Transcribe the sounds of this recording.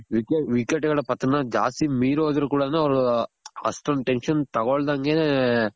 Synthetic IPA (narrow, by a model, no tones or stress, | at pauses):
ʋikeʋikːeʈːɐɣɐɽɐpɐt̪ːɐnɐd͡ʒa̰ːst̪imiːɾoːd̪ɐɾukuːɽɐnɐɐʋɐɾuɐ̰sʈɐnʈenʂɐnt̪ɐɣɔɭd̪aŋɡeːne